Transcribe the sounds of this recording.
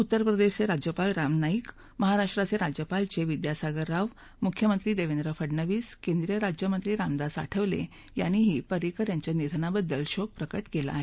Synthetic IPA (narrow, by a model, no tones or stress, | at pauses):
ut̪ːəɾpɾəd̪eɕt͡seɾad͡ʑjəpalɾamnaik | məɦaɾaʂʈɾat͡seɾad͡ʑjəpalt͡seʋid̪jasaɡəɾːaʋ | mukʰjəmənt̪ɾiːd̪eʋend̪ɾəfəɖɳəʋiːskẽnd̪ɾijəɾad͡ʑjəmənt̪ɾiːɾamd̪asa̰ʈʰəʋlḛ | jañiɦiːpəɾikəɾjaɲt͡ɕjanid̪ʱnabəd̪ːəlɕoɡ̚pɾəkəʈkela̰ːɦe